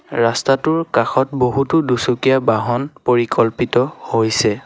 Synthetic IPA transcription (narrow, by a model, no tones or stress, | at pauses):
ɹastatʊɹkaxɔtboɦutʊdusukijabaɦɔnpoɹikɔlpitɔhojsɛ